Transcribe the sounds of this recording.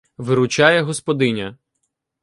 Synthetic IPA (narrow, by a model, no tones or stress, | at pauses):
ʋɪɾʊt͡ʃɑjɛɦɔspɔd̪ɪnʲɐ